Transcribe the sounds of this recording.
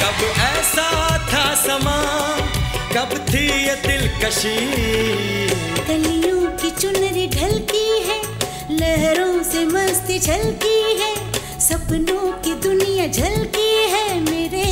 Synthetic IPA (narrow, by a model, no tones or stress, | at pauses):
kɐbɛːsat̪ʰasɐmaː | kɐbt̪ʰijt̪ɪlkɐʃiː | t̪ɐlijõkit͡ʃʊnɾiɖʱɐlt̪iɦɛː | lɛɦɾõsemɐst̪et͡ʃʰɐlt̪iɦɛː | sɐbnõkid̪ʊnijad͡ʒʱɐlt̪iɦɛːmeːɾe